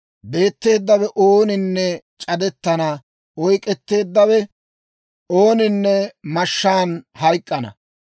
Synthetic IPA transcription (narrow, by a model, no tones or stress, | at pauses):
be̞ːt̪ːe̞ːd̪ːɐwɛʔoːnɪnːɛ | t͡ʃʼɐd̪ɛt̪ːɐnɐ | ɔjkʼɛt̪ːe̞ːd̪ːɐwɛ | oːnɪnːɛmɐʃːaːnhɐjkʼːɐnɐ̰